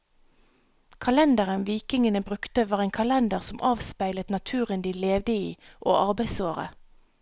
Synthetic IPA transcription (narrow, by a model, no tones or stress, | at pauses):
kʰɑlɛnd̪əʁənʋiːkɪŋənəbʁʉkt̪əʋɑːʁeːŋkʰɑlɛnd̪əʁsɔmʔɑːʋspæɪlət̪nɑt̪ʰʉːʁənd̪iːleːʋd̪əiːʔo̰ːʔɑʁbæɪsoːʁə̰